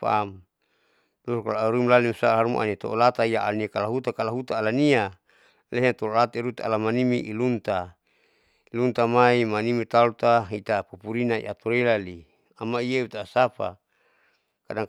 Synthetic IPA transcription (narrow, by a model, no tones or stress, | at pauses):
pa̰m | dɔskalaɾumlalimsaɦaɾumṵʔa̰nit̪oolat̪aijaʔaniakalaɦut̪akalaɦut̪aːlania | leɦnt̪ololat̪aiɾut̪aa̰lamanimiʔilunt̪a | ilunt̪amaimanimit̪alt̪aɦit̪apupuɾinaḭʔat̪oɾelali | amaijeut̪asapa̰ | kadaŋ